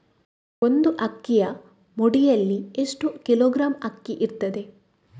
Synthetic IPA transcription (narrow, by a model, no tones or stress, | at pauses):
ond̪uʔɐkːijɐ | moɽijɐlːieʂʈukiloːɡɾaːmɐkːiʔiɾt̪ːɐd̪e̞